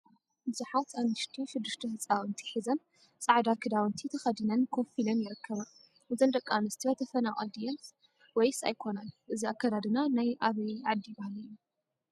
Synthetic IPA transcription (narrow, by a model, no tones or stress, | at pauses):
bɨzuħat̪ʰanɨʃt̪ʰiʃɨd̪ːɨʃt̪ʰɐhɨt͡sʼawɨnt̪ʰi̥ħizɐn | sʼaʕd̪akʰɨd̪awɨnt̪ʰit̪ʰɐxɐd̪ɨnɐnkʰo̞filɐnjɪɾɨkʰːɐβa | ʔɨzɨnd̪ɐkʼːanɨst̪ʰibɐt̪ʰɐfɐnawʼa̰d̪ijɛns | wɔjsa̰jkʰo̞nalʔɨziakːad̪ad̪ɨnanajʔaβɐʕad̪ːibahalɨjːu